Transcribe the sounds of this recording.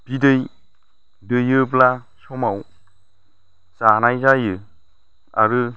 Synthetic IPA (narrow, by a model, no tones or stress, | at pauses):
b̥idɯj | dɯjɯbla | sɔmaw | z̥anajzajɯ | a̰ɾɯ